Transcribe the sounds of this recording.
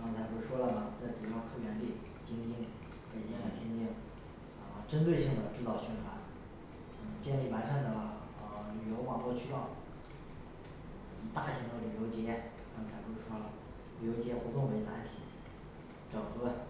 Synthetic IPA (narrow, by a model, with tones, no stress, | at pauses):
kɑ˥ŋt͡sʰa˧˥ɪxwe˥˩ɪʂwɔ˥lə˨˩nə˩t͡sa˥˩ɪʈ͡ʂu˨˩jɑ˥˧ʊkʰɤ˥˩jɛ˧˥nli˥˩ | t͡ɕi˧˥ŋ˧t͡ɕi˥˩ŋ | ke˨˩ɪɛ˧˥la˨˩ɪp̪ʰjɛ˥˧nt̪i˥˩ŋ | ə˧ʈ͡ʂə˥nt̪we˥˧ɪɕi˥˩ŋd̪ə˩ʈ͡ʂɻ̩˥˧t͡sɑ˥˧ʊɕɛ˥˩nxʰwa˧˥n | ə˥˩t͡ɕjɛ˥˧nli˥˩wa˧˥nʂa˥˩nd̪ə˩ | ə˧˩ly˨˩jo˧˥ʊwɑ˨˩ŋpwɔ˥˧t͡ɕʰy˥lɑ˥˩ʊ | i˨˩t̪a˥˩ɕi˧˥ŋd̪ə˧˨ly˨˩jo˧˥ʊt͡ɕjɛ˧˥ | kɑ˥ŋt͡sʰa˧˥ɪxwe˥˩ɪʂwɔ˥lə˩ | ly˨˩jo˧˥ʊt͡ɕjɛ˧˥xwɔ˧˥t̪ʊ˥˩ŋwe˧˥ɪt͡sa̰˧˥ɪt̪ʰḭ˨˩˦ | ʈ͡ʂɑ˨˩ʊxɤ˧˥